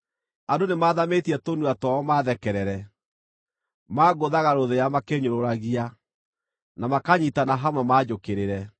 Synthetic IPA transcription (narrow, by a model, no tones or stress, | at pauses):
andonemaːðametiɛtonwatwɔɔmaːðɛkɛɾɛɾɛ | maːɣoðaɣaɾoðeamakeɲoɾoɾaɣia | namakaɲitanaɦamwɛmaːd͡ʒokeɾeɾɛ